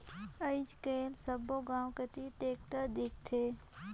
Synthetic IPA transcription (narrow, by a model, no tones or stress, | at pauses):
əɪd͡ʒkeːlsəboɡãːwkət̪iʈeːkʈəɾd̪ɪk̚ʰt̪ʰe